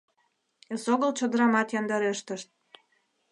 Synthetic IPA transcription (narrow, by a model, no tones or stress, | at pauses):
esoɣəlt͡ɕə̆d̪əɾɑmɑt̪jɑnd̪ɑɾeʃt̪ə̆ʃt̪̚